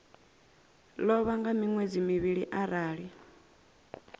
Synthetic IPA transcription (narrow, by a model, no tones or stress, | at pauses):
lɔβaŋɡamiŋwed͡zimiβiɺiʔaɾaːɺi